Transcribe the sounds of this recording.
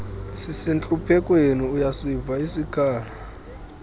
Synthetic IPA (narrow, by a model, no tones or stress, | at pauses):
sisint͡ɬʼupʰɛkʼwenuujasivaisikʼʰaːla